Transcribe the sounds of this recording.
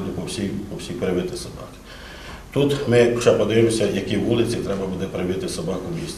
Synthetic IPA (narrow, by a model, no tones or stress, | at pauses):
d̪ʲɪpɔwsʲijpɔwsʲipɾɪʋɪt̪ɪsɐbɑ̰kɪ̥ | t̪ut̪mɪt͡ʃɛpɔd̪ɐjemɔsʲɐjɐkʲiʋʋulˠɪt͡sʲit̪ɾɛbɐbud̪ɛpɾɪʋɪt̪ɪsɐbɑkʊmʲisʲ